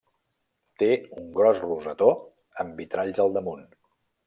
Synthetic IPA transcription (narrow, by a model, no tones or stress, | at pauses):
t̪euŋɡɾɔsruzət̪o | əmbit̪ɾaʎzəlˠd̪əmun